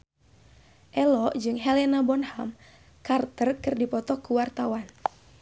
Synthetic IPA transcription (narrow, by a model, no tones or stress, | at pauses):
ʔɛlɔʔd͡ʒɨŋɦɛlɛnabɔnham | kart̪ərkɨrdipɔt̪ɔkuwart̪awan